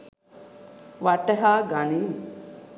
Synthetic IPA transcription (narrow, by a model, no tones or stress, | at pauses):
ʋaʈəɦaːɡaniː